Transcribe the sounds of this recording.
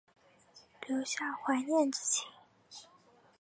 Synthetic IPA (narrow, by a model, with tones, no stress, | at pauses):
ljo˧˥ʊɕja˥˩xwa˧˥njɛ˥˨nʈ͡ʂ̩˥˩t͡ɕʰi˧˥˦